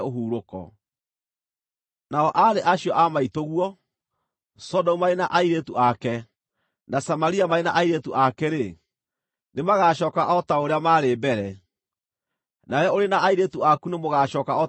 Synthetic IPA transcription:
oɦuːɾokɔ̰ | naɔʔaɾeʔaɕiɔʔamaitoɣwɔ | sɔdɔumaɾenaʔaiɾetuʔakɛ | nasamaɾiamaɾenaʔaiɾetuʔakɛɾe | nemaɣaːɕɔːkaʔɔtaoɾeamaɾeːbɛɾɛ | naɾɛoɾenaʔaiɾetuakunemoɣaɕɔːkaɔ

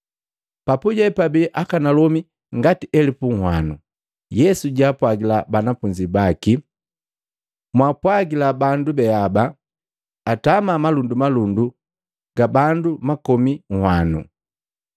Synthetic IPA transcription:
papuɟɛpabiʔakanalɔmi | ŋɡatiʔɛlipuŋ̩hwanṵ | jɛsuɟapwaɡilabanafuɲd͡ʒibaki | mwaːpwaɡilabandubɛabaː | tamamalundumalundu | ɡ̥abandumakɔmiŋ̩hwanṵ

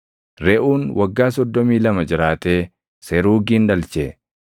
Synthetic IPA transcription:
ɾɛʔuːnwʔɐɡːaːs̬ɔd̪ːɔmiːlɐmɐd͡ʒɪɾaːt̪eː | seɾuːɡiːnᶑɐlt͡ʃe

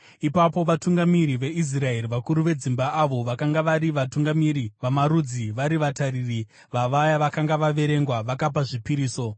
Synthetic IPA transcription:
ipapo̞ʋatuŋɡamiɾiʋe̞is̬rae̞riʋakuɾuʋe̞d͡zimbaaʋo̞ʋakaŋɡaʋaɾiʋatuŋɡamiɾiʋamaɾud͡ziʋaɾiʋatariri | ʋaʋajaʋakaŋɡaʋaʋe̞ɾe̞ŋɡwaʋakap̬aʐipiɾiːso̞

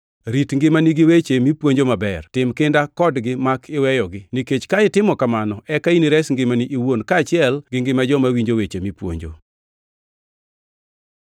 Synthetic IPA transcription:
ɾitŋɡɪmaniɡɪwet͡ʃemipwoɲd͡ʒomabɛrtɪmkɪndakɔdɡɪmakʰɪwɛjɔɡɪniket͡ʃkaɪtɪmɔkamanɔʔɛkainiɾɛsŋɡɪmaniʔiwonkaːt͡ʃɪɛlɡɪŋɡɪmad͡ʒɔmawiɲd͡ʒowet͡ʃemipwo̰ɲd͡ʒo̰

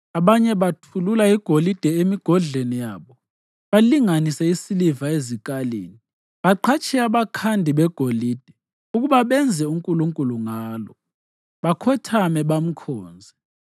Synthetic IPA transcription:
aɓaɲɛβatʰululaiɡ̥ʱolid̥ʱɛemiɡ̥ʱɔɮenijaːɓɔ | ɓaliŋanisɛisilivaezikʼalḛːni | ɓaǃʰat͡ʃʰʼɛaβakʰandʱiɓɛɡ̥ʱolid̥ʱɛ | uɣuβaɓɛnd͡zʱɛuŋkʼuluŋkʼuluŋaːlɔ̰ | ɓakʰɔtʰamɛɓam̩kʰɔːnd͡zʱɛ

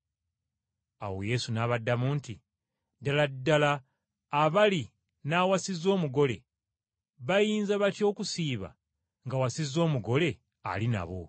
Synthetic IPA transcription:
a̰wo̞̰je̞sunaβadːamuːnti | daladːalaː | βali | naːwasizo̞ːmuɡo̞le̞̰ | βajiːnzaβatjo̞ːkusiːβa̰ | ŋɡawasizo̞ːmuɡo̞le̞ | a̰lina̰βo̞̰

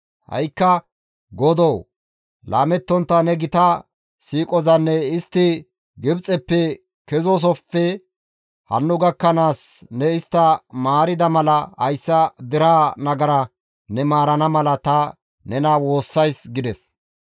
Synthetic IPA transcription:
hɐ̰jkːɐ | ɡɔd̪ɔw | la̰ːmɛt̪ːɔnt̪ːɐnɛɡɪt̪ɐ | siːkʼɔzɐnːɛɪst̪ːɪ | ɡɪbt͡sʼɛpːɛ | kɛzɔs̬ɔpːɛ | hɐ̰nːʊɡɐkːɐnaːsnɛɪst̪ːɐmaːɾɪd̪ɐmɐlɐhɐjsːɐd̪ɪɾaːnɐɡɐɾɐ | nɛmaːɾɐnɐmɐlɐt̪ɐ | nɛnɐwo̞ːsːɐjsɡɪd̪ɛs

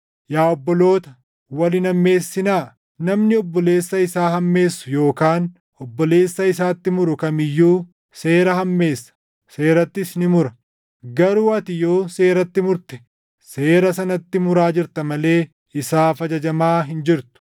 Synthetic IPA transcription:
jaːɔbːɔlo̞ːt̪ɐ̥ | wɐlɪnɐmːe̞ːsːɪnaː | nɐmnɪɔbːɔle̞ːsːɐɪsaːɦɐmːe̞ːsːʊ̥jo̞ːkaːn | ɔbːɔle̞ːsːɐɪsaːt̪ːɪmʊɾʊkɐmɪjːuː | se̞ːɾɐɦɐmːe̞ːsːɐ̥ | se̞ːɾɐt̪ːɪsnɪmʊɾɐ | ɡɐɾuːɐt̪ɪjo̞ːse̞ːɾɐt̪ːɪmʊɾt̪ɛ̥ | seːɾɐsɐnɐt̪ːɪmʊɾaːd͡ʒɪɾt̪ɐmɐle̞ː | ɪsaːfɐd͡ʒɐd͡ʒɐmaːɦɪnd͡ʒɪɾt̪ʊ̥

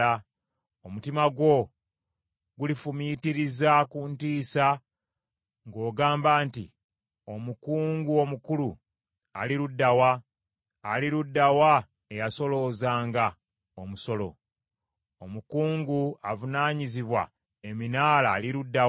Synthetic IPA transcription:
a | omutimaɡwo̞ | ɡulifumitiɾizakuntiːsa | ŋɡo̞ːɡaːmbaːntḭ | o̞mukuːŋɡuo̞mukulu | a̰liɾudːawaː | liɾudːawa | e̞jaso̞lo̞ːzaːŋɡa | omuso̞lo̞̰ | omukuːŋɡuavunaːɲiziβwa̰ | eminaːlaliɾudːa

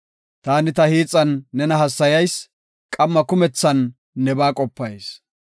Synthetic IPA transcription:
t̪aːnɪt̪ɐhiːt͡sʼːɐnːɛnɐɦɐsːɐjɐjs | kʼɐmːɐkʊmɛt͡sːɐnː | ɛbaːkʼɔpːɐjs

